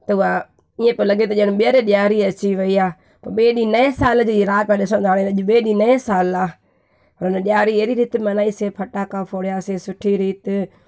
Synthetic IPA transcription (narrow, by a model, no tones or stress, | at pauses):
t̪ɐʊa | iẽpɐɾlɐɡʱet̪ɐiəɽ̃ɪɓiəɾeɗjaːɾiɐt͡ɕiʋɐiaː | pɐɾɓeːɗĩnɐẽsaːld͡ʑoːiɾaːmãɗɪsə̃ɽ̃nd̪ʱaːɽeɐʄʊɓeːɗĩnɐẽsaːlaː | pɐɾʊnəɗɪjaːɾieːɾiɾiːt̪ɪmɐnaːiseːpʰɐʈaːkafʰoːɽijasesʊʈʰiɾiːt̪ɪ